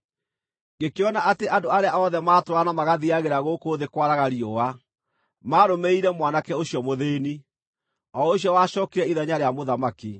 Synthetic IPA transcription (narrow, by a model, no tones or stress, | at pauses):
ɡekeɔnaʔateʔandoaɾeaɔðɛmaːtoɾanamaɣaðiaɣeɾaɣokoːðekwaɾaɣaɾiɔa | maːɾomeiɾɛmwanakɛoɕjɔmoðeːni | ɔoɕ̬jɔwaɕɔːkiɾɛiðaɲaɾeamoðamaki